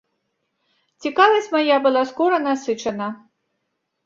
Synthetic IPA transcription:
t͡sʲikalˠɐsʲmajabɨlˠaskɔɾɐnasɨt͡ʂɐnɐ

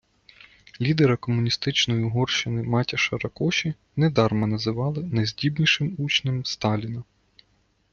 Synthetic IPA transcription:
lʲid̪eɾɐkɔmʊnʲist̪ɪt͡ʃnɔjiɦɔrʃɪnɪmɑtʲɐʃɐɾɐkɔʃʲi | nɛd̪ɑrmɐnɐzɪʋɑlˠɪnɐzʲdʲibnʲiʃɪmut͡ʃnɪmst̪ɑlʲinɐ

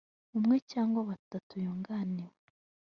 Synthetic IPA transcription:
umŋe̞caːŋɡwaβatatujuːŋɡaniwe

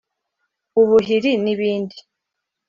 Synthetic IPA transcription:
uβuɦiɾiniβiːndi

